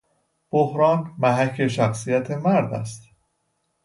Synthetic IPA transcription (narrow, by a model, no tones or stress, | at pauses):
b̥ohɾɒːnmæɦæcʰe̞ʃæxsijæt̪ʰe̞mæɾd̪æ̰st̪